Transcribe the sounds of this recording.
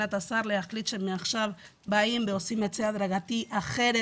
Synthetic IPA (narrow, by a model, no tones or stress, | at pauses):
at̪asaɾleaχlit͡ʃemːiaχʃaβ | baimbeosimet͡seaðɾaɣat̪iʔaχeɾe